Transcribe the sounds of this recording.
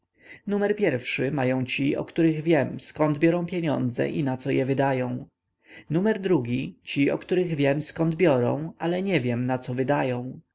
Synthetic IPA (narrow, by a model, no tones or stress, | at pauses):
numɛɾpʲjɛɾfʂɘmajɔ̃w̃t͡ɕiɔ̰kt̪uɾɘɣvʲjɛmskɔnd̪bʲjɔɾɔ̃w̃pʲjeɲɔ̰̃nd̪zɛ̰ʔḭnat̪sɔjɛvɘd̪ajɔ̃w̃ | numɛɾd̪ɾuɡʲit͡ɕiɔ̰kt̪uɾɘɣvʲjɛmskɔnd̪bʲjɔɾɔ̰̃w̃alɛɲɛvʲjɛmnat̪sɔvɘd̪ajɔ̃w̃